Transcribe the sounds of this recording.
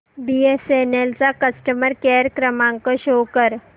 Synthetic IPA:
biːeseːneːlsakɐsʈəməɾkɛːɾkɾəmãːŋkoʃoːkəɾ

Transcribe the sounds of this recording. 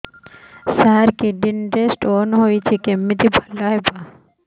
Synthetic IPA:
saɦaɾkiɖinɾesʈonɦojt͡ʃʰikemːit̪ʰibʱɐlːaɦepa

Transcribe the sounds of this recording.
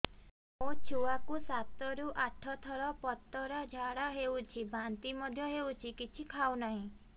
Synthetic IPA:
mot͡ʃʰuakusat̪ɔɾuʔaʈʰɔt̪ʰɔɾɔpɔt̪ːɔɾad͡ʒʱaɽaɦewt͡ʃʰibant̪imɔd̪ʱjɔɦewt͡ʃʰikit͡ʃʰikʰawnaɦĩ

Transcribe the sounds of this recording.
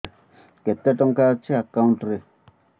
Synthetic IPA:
kɛtːɛtɔŋkat͡ʃiakãwntɾi

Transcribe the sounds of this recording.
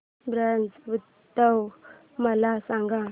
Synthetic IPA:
bɾant͡sut̪ː | əw | məlasaŋɡa

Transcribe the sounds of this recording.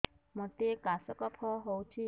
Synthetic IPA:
mɔt̪ekasɔkɔpʰɔɦowt͡ʃʰi

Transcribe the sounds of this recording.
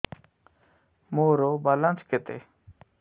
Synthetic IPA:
moːɾoːbaːlãnt͡sket̪ḛ

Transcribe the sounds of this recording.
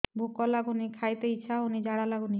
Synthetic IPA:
bʱukɔlaɡunikʰajt̪eit͡ʃʰaunid͡ʒaɽalaɡuni

